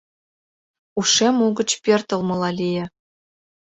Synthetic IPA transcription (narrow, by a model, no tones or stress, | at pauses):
uʂemuɡɤ̆t͡ɕpʲert̪ɤ̆lˠmɤ̆lˠɑlʲijɘ̆